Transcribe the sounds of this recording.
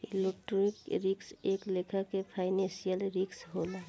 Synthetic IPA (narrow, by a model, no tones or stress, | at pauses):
ḭlek̚ʈoɾikɾɪkseklekʰakepʰaːɪnẽsijəlɾɪksɦola